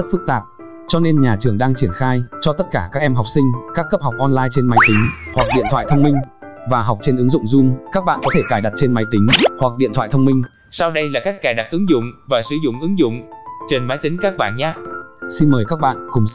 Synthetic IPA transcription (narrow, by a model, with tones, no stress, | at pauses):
t̚fɨ˦˥k̚t̪aː˨˩p̚ | t͡ɕɔ˧ne˧nɲaː˨˩t͡ɕɨ˨˩əŋɗaː˧ŋt͡ɕi˧˩ənxaː˧jt͡ɕɔ˧t̪ə˦˥t̚kaː˧˩kaː˦˥k̚ʔɛ˧mɦa˨˩wk͡p̚sï˧ŋ̟kaː˦˥kːə˦˥p̚ɦa˨˩wk͡p̚ʔɔ˧nlaː˧jt͡ɕe˧nma˨˦jt̪ï˨˦ŋ̟hwa˨˩k̚ɗḭ˧˨ənt̪ʰwa̰˧˨t̪ʰə˧wŋ͡mmï˧ŋ̟ | vaː˨˩ɦa˨˩k͡p̚t͡ɕe˧nʔɨ˨˦ŋzʊ̰˧˨ŋ͡mzu˧nkaː˦˥k̚ɓa̰ː˧˨kɔ˨˦t̪ʰe˧˩kaː˧˩jɗa˨˩t̚t͡ɕe˧nma˨˦jt̪ï˨˦ŋ̟hwa˨˩k̚ɗḭ˧ənt̪ʰwa̰˧˨t̪ʰə˧wŋ͡mmï˧ŋ̟ | sa˧wɗə˧jlaː˨˩kaː˦˥k̚kːaː˧˩ɗa˨˩k̚ʔɨ˨˦ŋzʊ̰˧˨ŋ͡mvaː˨˩sɨ˧˩zʊ̰˧˨ŋ͡mʔɨ˨˦ŋzʊ̰˧˨ŋ͡mt͡ɕe˧nmaː˨˦jt̪ï˨˦ŋ̟kaː˦˥k̚ɓa̰ː˧˨nɲaː˨˦si˧nməː˨˩jkaː˦˥k̚ɓa̰ː˧˨nkʊ˨˩ŋ͡m